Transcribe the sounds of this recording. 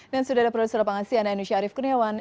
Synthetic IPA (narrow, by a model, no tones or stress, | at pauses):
dansudahdapɾodusɔrlapaŋasiananuʃiaːɾifkurniawan